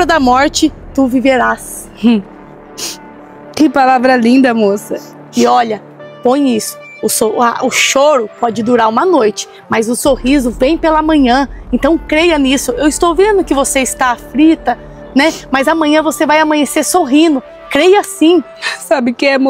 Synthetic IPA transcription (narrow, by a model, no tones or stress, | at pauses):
ɾɐd̪ɐmɔɾt͡ʃɪt̪uviveɾas | kɪpalavɾɐlĩnd̪ɐmosɐ | ɪɔʎɐ | põj̃isʊ̥ | ʊsoaʔʊʃoɾʊpɔd͡ʒɪd̪uɾaɾũmɐnojt͡ʃɪ̥ | mɐzʊsohizʊvẽj̃pelɐmɐ̃ɲɐ̃ẽnt̪ɐ̃w̃kɾejɐnisʊewɪst̪owvẽnd̪ʊkɪvoseɪst̪afɾit̪ɐ | nɛmɐzɐmɐ̃ɲɐ̃vosevajamɐ̃ɲesesoɦĩnʊ | kɾejasĩ | sabɪkɪɛm